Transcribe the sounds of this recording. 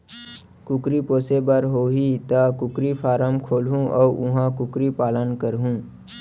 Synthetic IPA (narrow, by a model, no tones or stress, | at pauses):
kʊkɾipoːsebəɾɦoːɦit̪akʊkɾipʰaːɾəmkʰoːlɦũʔɔ̰ːʔʊɦãkʊkɾipaːlənkəɾɦũː